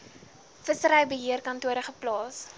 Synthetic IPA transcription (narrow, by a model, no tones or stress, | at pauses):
fəsəɾəjbəɦiərkɐntuəɾəχəplɑːs